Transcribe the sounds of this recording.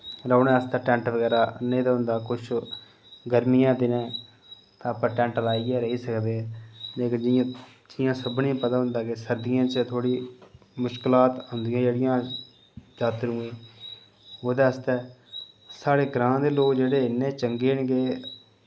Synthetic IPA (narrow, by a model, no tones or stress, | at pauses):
ɾəːnɛːəst̪ɛːʈɛ̃ːɳʈʋəɡɛːɾaːnẽːd̪aːɦʊ̃nd̪aːkʊt͡ʃʰ | ɡəɾmijãːd̪ɪnɛ̃ː | t̪ãːpãːʈɛ̃ːɳʈlaːiːɛːɾəɦiːsəkd̪eɛːleːkɪd͡ʒɪjãː | d͡ʒɪjãːsəbnĩːpət̪ãːɦʊ̃nd̪aːkesəɾd̪ɪjãːt͡ʃt̪ʰoːɽiː | mʊʃkɪlaːt̪ɦʊnd̪ɪjãːd͡ʒeːɽɪjãː | d͡ʒaːt̪ɾũːẽː | oːd̪eːəst̪ɛː | saːɽeːɡɾãːd̪eːloːkd͡ʒeːɽeːɪnːẽːt͡ʃəŋɡeːnɡeː